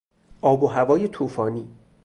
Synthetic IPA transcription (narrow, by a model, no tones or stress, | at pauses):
ʔɒːboɦævɒːjet̪ʰuːfɒːniː